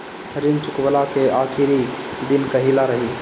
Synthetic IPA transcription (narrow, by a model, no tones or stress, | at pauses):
ɾɪnt͡ʃʊkwəlakeaːkʰiɾid̪ɪnkəɦilaɾəɦi